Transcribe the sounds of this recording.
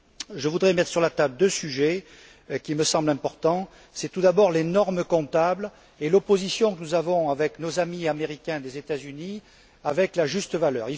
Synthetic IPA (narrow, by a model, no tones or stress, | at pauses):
ʒəvud̪ʁemɛt̪χəsyʁlat̪abd̪øsyʒe | kʲiməsɑ̃blɛ̃pɔʁt̪ɑ̃ | sɛt̪ud̪abɔʁlenɔʁməkɔ̃t̪abl | elopozisjɔ̃kənuzavɔ̃avɛknozamiameʁikʲɛ̃d̪ezet̪azyni | avɛklaʒyst̪əvalœːʁi